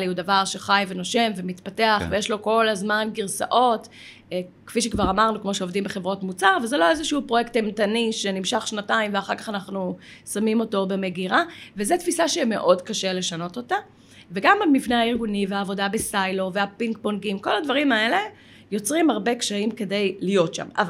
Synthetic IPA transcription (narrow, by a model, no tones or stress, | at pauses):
liudavaʁʃe̞χajvenoʃe̞mvemitpateaχvejeʃlo̞ko̞lazmanɡiʁsa̰ʔo̞t | kfiʃekvaʁamaʁnukmo̞ʃeo̞vdimbeχevʁotmut͡saʁvezelo̞ezeʃuupʁojekt̪emtaniʃenimʃaχʃnataimveaχaʁkaχanaχnu | samimo̞to̞be̞me̞ɡiʁavezetfisaʃeime̞ʔo̞dkaʃele̞ʃano̞to̞ta | veɡamalmivneaiʁɡuniveaːvo̞dabesajloveapiŋk̚bonɡimko̞ladvaʁimae̞le̞ | jo̞t͡sʁimhaʁbe̞kʃaimke̞de̞jlijo̞tʃa̰mav